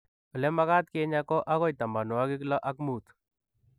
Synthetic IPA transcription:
ɔ˨lɛ˦ma˦ɣa˦t̪ke˦ɲa˦kɔ˦ʔa˦ɣɔ˦jt̪a˨mba˨nwa˦ɡɪ˦klɔ˦ʔa˦k̚mu˦˨t̪

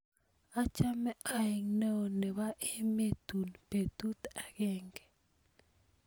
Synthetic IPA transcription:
a˦t͡ʃa˦me˦a˨i˨ŋnə˦˨ne˨βa˦ʔe˦me˦t̪u˨npe˨t̪u˦t̪a˨ɡe˦ŋɡe̥˨

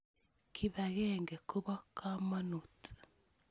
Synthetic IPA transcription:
kʰi˨βa˨ɣeŋɡe˨kʰu˦βa˦kʰa˦ma˦nu˨ti̥

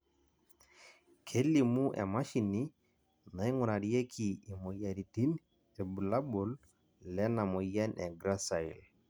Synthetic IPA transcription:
kʰe˦li˨mu˦ʔɛ̰˨ma˦ʃi˨ni˦ | na˨i˦ŋʊ˨na˨di˦je˦kʰi˨i˨mɔ˨ja˨ɾi˨ti˦n | ɛ˨bu˨la˦bo˨l | lɛ˦na˨mɔ˨ja˦nʔɛ˨ɡɾa˦sa˨i˨l

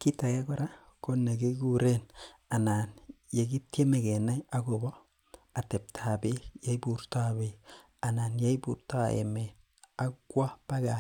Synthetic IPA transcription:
ki˦ta˨je˦ɡo˨ɾa˦ | ko˦ne˨ɡe˦ɡu˦ɾe˦na˨na˨n | je˨ɡi˦tje˦me˨ɡe˨na˦ja˦ɡo˨bɔ˦ | a˨te˨p̚tʰa˨be˦ja˦jbuɾta˦be˨ | a˨na˨nja˦jbu˨ɾta˦ḛ˨me˨ | a˦ɡwa˦pa˦ɡa˨

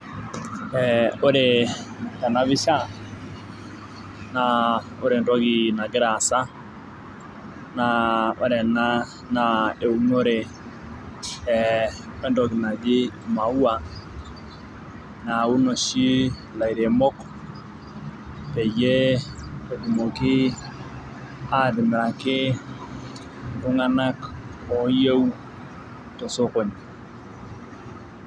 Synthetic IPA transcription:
ɛo˦ɾe˨ka˨na˦βi˦ʃa˦ | na˨ | o˦ɾe˨ndɔ˦ɣi˨na˨ɡe˦ɾa˨sa˦ | na˨o˦ɾɛ˨na˦ | na˨e˨u˨no˦ɾe˨ | wɛ˦ndɔ˨ɣi˨na˨d͡ʒe˦˨ma˨u˦a˨ | na˨u˦no˨ʃi˦ | la˨i˨ɾe˨mɔ˦k | pɛ˨je˦ke˨du˨mo˨kɪ˦ | a˦˨dɪ˨mɪ˨ɾa˨kɪ˦˨ | bʊ˦ŋa˦na˦kɔ˨je˦wu˦ | tɔ˨so˦ko˨ɲ

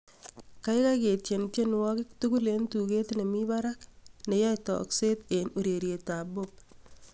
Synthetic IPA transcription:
ka˦jkake˨tje˨ntje˦nwɔ˦kɪ˦k̚tuɡu˦lentuke˦tne˨mi˦baɾakne˨ja˦tɔ̰˨kse˦tenuɾe˨ɾje˨ta˨bop̚

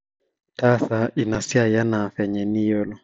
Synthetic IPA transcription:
ta˦θa˨i˨na˨si˦a˨ja˦na˨fɛ˨ɲɛ˨ni˦jɔ˦lɔ˨

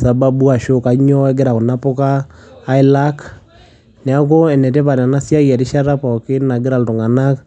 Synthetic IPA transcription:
sa˨ba˦bu˦a˨ʃo˦ka˨˦ɲɔ˦ɛ˦ɡe˦ɾa˨ko˨na˦po˦kaː˦ | i˦la˦k | nɛ˨a˦k̬o˦ɛ˨nɛ˨tɛ˦pa˨ɾa˨na˦sja˦ɣja˨ɾi˦ʃa˦ɾa˦pa˨ke˦na˨ɡe˦ɾa˨lto˨ŋa˨na˦k

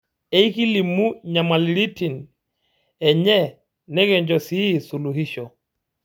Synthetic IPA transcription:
e˦i˦ki˦li˨mu˦ɲa˨ma˨li˨ɾi˦ti˨n | ɛ˨ɲɛ˦ | nɛ˦ɣɛ˨ɲd͡ʒɔ˨si˦i˨su˨lu˨ɦi˦ʃɔ˨

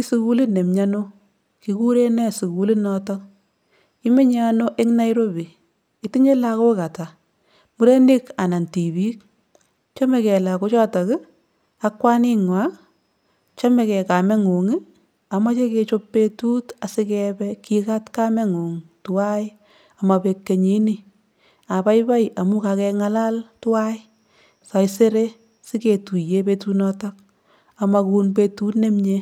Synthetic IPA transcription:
i˦su˦ku˦lɪ˦ne˨mɲa˦no˦ | ki˨ku˦ɾe˦nɛ˦su˨ku˨li˦nɔ˦tɔ˦k | ki˦me˦ɲa˦no˦ʔe˦ŋna˦jɾo˦bi˨ | i˨˦ti˦ɲe˦la˨˧ko˦ka˨ta˨ | mu˦ɾe˦nɪ˦ka˨na˨nti˨bi˦k̚ | t͡ʃɔ˦me˨kɛ˨la˨ko˦t͡ʃɔ˦tɔ˨kɪ˦ | a˦kwa˦nɪ˦ŋwa˦ | t͡ʃɔ˦mɛ˨kɛ˨ka˨mɛ˦ŋo˨ŋɪ˦ | a˨ma˦t͡ʃe˦ke˧t͡ʃo˦pːe˦tu˦ta˨sɪ˦kɛpɛki˦ka˦tka˦mɛ˦ŋo˨ŋtwa˦j | a˨ma˨pe˨kːe˨ɲi˦ni˦ | a˨pa˦jpa˦ja˨mʊ˦ka˨kɛ˧ŋa˦la˦ltwa˦j | sa˨jse˦ɾe˦ | sɪ˦ke˨tu˨je˨pe˧tunɔtɔ˦k̚ | a˨ma˧ku˧npetu˦tne˦mɲe˦

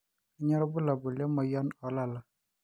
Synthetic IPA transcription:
i˦ɲɔ˦ɾɔ˦bu˦la˨bo˨lja˦mɔ˨jɔ˦nɔ˨la˦˨la˨

